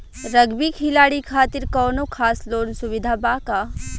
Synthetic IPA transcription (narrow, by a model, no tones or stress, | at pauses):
ɾəɡbikʰilaːɽikʰaːt̪iɾkɔːnokʰaːsloːnsuʋid̪ʱabaka